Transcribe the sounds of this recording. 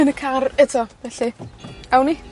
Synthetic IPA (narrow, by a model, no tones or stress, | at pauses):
ənəkʰarɛtʰɔvɛɬiawni